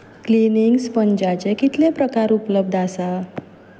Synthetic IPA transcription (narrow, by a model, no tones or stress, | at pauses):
kliniŋɡspəɲd͡ʑat͡ɕekit̪lẽpɾəkaɾupləb̚d̪ʱasa